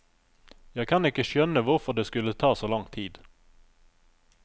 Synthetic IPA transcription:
jɑːɡkʰanɪkːəɕœnːəvaɾfəɖɛskɵlːət̪ʰɑːsɔlɔŋt̪ʰiːd̪

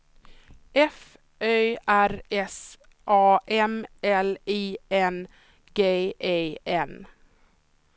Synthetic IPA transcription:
ʔɛf | øːæɾɛs | ʔɑːʔɛmɛliːɛn | ɡeːʔeɛn

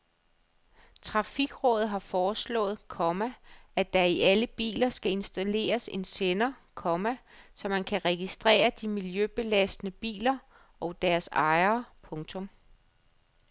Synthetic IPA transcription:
t͡sʰʁɑ̈fiɡ̥ʁɔ̽ːð̩ˠɦɑ̈fɒːslɔ̰̽ːð̞̩ˠkʰɒmææd̥æiʔæləb̥ḭːlɐsɡ̥æe̝nsd̥æle̝̰ːɐse̝nsenɐkʰɒ̽mæsɒ̽mænkʰæʁɛɡ̥isd̥ʁɛ̰ːɐd̥imiljøb̥e̝læsd̥nəb̥ḭːlɐ | ɒ̽ʊd̥æɐsɑ̈ɪɐpʰɔ̽ŋt͡sʰɔ̽m

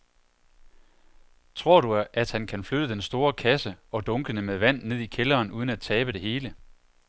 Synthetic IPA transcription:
t͡sʰʁo̝ɐ̰ɾ̥uæd̥hænkʰænflød̥əd̥ensd̥o̝ːɐkʰæsəɒ̽d̥ɔ̽ŋɡ̥ənəmeðˠʋæn̰nːe̝ð̞̰ˠikʰelɐːnuːð̞ˠən̩æd̚t͡sʰɛːb̥əɾ̥e̝ɦe̝ːlə

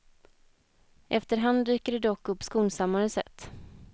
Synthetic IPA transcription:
ʔɛft̪əɾɦand̪d̪yːkəɖɛd̪ɔkːɵpːskuːnsamːaɾəsɛ̰t̪ː

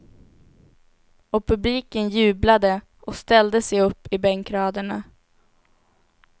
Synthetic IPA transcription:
ɔpʰɵbliːkənjʉ̟ːblad̪ə | ɔst̪ɛld̪əsɛjɵpːɪbɛŋkɾɑːd̪əɳa

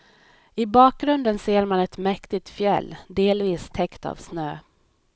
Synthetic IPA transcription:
ɪbɑːk̚ɡɾɵnd̪ənseːɾmanɛt̪mɛkt̪ɪt̪fjɛ̰lːd̪eːlviːst̪ʰɛkt̪a̰vsnøː

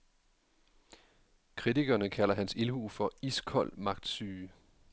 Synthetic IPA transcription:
kʰʁit͡siɡ̥ɐːnəkʰæl̰ɐɦænsilhṵːfɒ̽iskʰɒ̽l̰mɑ̈ɡ̥̚d̥syː

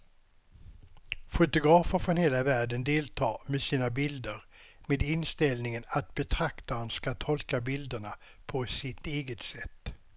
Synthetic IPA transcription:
fʊt̪ʊɡɾɑːfəɾfɾɔnheːlavæːɖənd̪eːlt̪ʰɑːmesiːnabɪld̪əɾmeːd̪ɪnst̪ɛlnɪŋənat̪̚bɛt̪ʰɾakt̪aɾənskat̪ʰɔlkabɪld̪əɳa | pʰɔsɪt̪eːɡət̪sɛt̪ː

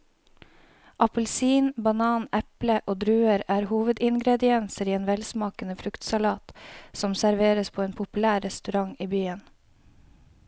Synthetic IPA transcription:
ʔɑpəlsiːnbɑnɑːnɛpləʔoːd̪ɾʉːəɾæːɾhuːʋəd̪ɪŋɡɾɛd̪ɪɛnsəɾiːeːnʋɛlsmɑːkənəfɾʉkt̪sɑlɑːt̪sɔmsæɾʋeːɾəspʰoːeːnpʰʊpʉlæːɾɛst̪ʉɾɑŋiːbyːən

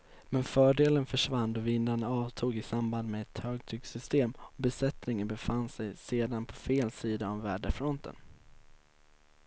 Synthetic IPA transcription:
mɛnfœːɖeːlənfœʂvand̪ɔvɪnːaɳaɑːvt̪ʰuːɡɪsamband̪mɛɛt̪høːɡt̪ʰyːɡsʏst̪eːmɔbɛsɛt̪nɪŋənbɛfanːsɛjseːd̪anpʰɔfeːlsiːd̪aːvːæːɖəfɾɔnt̪ʰə̰n

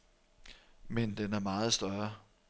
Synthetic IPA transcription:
mend̥enæɐmɑ̈ːð̞̩ˠsd̥ɶɐɐ

